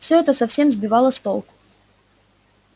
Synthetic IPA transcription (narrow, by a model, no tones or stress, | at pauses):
fsʲoɛt̪əsɐfsʲe̞mzbʲɪvɑlˠəst̪olˠkʊ̥